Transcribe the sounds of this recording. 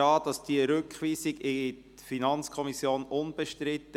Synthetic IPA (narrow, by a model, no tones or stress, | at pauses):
ɑːd̥ɑsd̥iəɾʏkχʋiːsɪɡɪt | finɑnt͡skʰɔmisjoːnʊnb̥ɛʃtɾɪt̪ːə